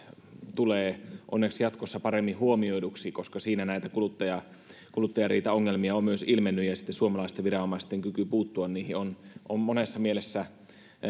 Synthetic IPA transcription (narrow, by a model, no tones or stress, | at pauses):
t̪uleːʔo̰nːeksjɑt̪kosːɑpɑremːihuomioiduksikoskɑsiːnænæit̪ækulut̪ːɑjɑ | kulut̪ːɑjɑriːt̪æoŋːelmiɑommyøsilmenːyjɑsi̥t̪ːesuomɑlɑˑist̪eʋʋirɑomɑist̪eŋkykypuːt̪ːuɑnniːhionʔommonesːɑmielesːæ